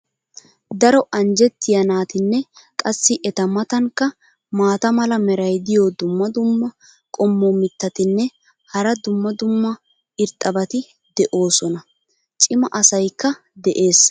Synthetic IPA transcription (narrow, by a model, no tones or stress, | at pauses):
d̪ɐɾɔʔɐnd͡ʒɛt̪ːɪjɐnaːt̪ɪnːɛkʼɐsːɪʔɛt̪ɐmɐt̪ɐŋkːɐ | maːt̪ɐmɐlɐmɛɾɐjd̪ɪjod̪ʊmːɐd̪ʊmːɐ | kʼɔmːomɪt̪ːɐt̪ɪnːɛ | hɐɾɐd̪ʊmːɐd̪ʊmːɐ | ɪɾt̪ʼɐbɐt̪ɪ | d̪ɛʔo̞ːsɔnɐ | t͡ʃʼɪmɐʔɐsɐjkːɐ | d̪ɛʔe̞ːs